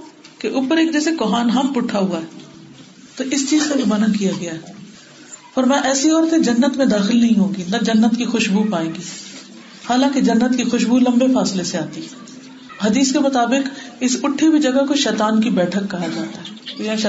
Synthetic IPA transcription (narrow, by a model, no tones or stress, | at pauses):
keʔuːpəɾeːkd͡ʒɛːsekoɦaːnɦɐmpʊʈʰaɦuaɦɛː | t̪oʔɪst͡ʃiːzkabʱimɐnənkijaɡɐjaɦɛ | ɔːɾmɛ̃ʔɛːsiɔːɾət̪ẽd͡ʒɐnːət̪mẽd̪aːxɪlnɐɦĩɦõːɡinɐd͡ʒɐnːət̪kixʊʃbʱupaːẽːɡiː | haːlãːked͡ʒɐnːət̪kixʊʃbulɐ̃mbefaːsleseaːt̪iɦɛ | ɦɐd̪iːskemʊt̪aːbɪkɪsʊʈʰːebʱid͡ʒɐɡakoʃɛːt̪aːnkibɛːʈʰəkːɐɦad͡ʒaːt̪aɦɛːojãː